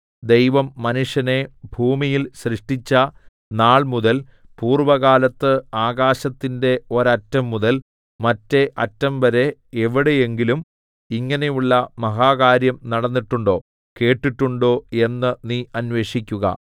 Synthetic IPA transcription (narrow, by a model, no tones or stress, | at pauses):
d̪e̞jʋɐmːɐnuʂjɐne̞bʱuːmijilɕrɨʂʈit͡ɕːɐ | naːɭmuðɐl | puːrʋɐɣaːlɐt̪ːɨaːɣaːɕɐt̪ːinde̞o̞ɾɐtːɐmːuðɐl | mɐtːe̞ʔɐtːɐmʋɐɾe̞eʋiɽeje̞ŋɡilum | iŋːɐne̞juɭːɐmɐɦaːɣaːɾjɐmnɐɽɐnːiʈːuɳɖo̞ː | ke̞ːʈːiʈːuɳɖo̞ːe̞nːɨniːɐnʋe̞ːʂikʲːuɣɐ̰